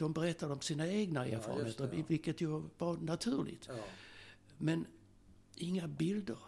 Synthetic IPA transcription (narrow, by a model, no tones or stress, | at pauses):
d̪̥ɔmbɛɾɛt̪ʰːad̪əɔmsiːnaeːɡnaḛːɾfɑ̰ːɾə̰mheːt̪əɾvɪlkət̪jɑvaɾnat̪ʰʉ̟ːɭɪ̰ɡt̪ | mɛn | ʔɪŋːabɪld̪əɾ